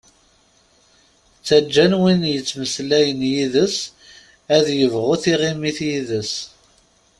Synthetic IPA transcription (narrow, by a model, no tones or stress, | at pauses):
t͡sːæd͡ʒːænwinjət͡sːməslæjənjiðəs | æðjəvʁʊθiʁimiθjiðəs